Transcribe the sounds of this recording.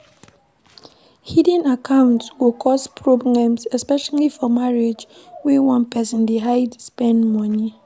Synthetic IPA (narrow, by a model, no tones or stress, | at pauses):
hidɛ̃nakãwʊ̃ntsɡokʰɔspɹoblãmsɛspɛʃalifɔmaɹed͡ʒ | wewãnpɛsɔ̃ndeɦaɪdspɛ̃nmɔni